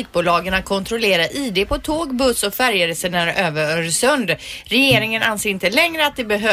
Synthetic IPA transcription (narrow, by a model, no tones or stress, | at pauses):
iːk̚buːlɑːɡənakʰɔnt̪ʰɾɔleːɾaɾʔiːd̪eːpʰɔt̪ʰoːɡbɵsːɔfæɾjəɾəsənæɾøːvəɾœɾsœnd̪ɾɛjeːɾɪŋənanseːɾɪnt̪əlɛŋɾəat̪̚d̪ɛbɛɦø